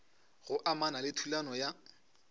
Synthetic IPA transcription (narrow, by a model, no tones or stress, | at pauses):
ɣʊʔamanalɪtʰulanɔja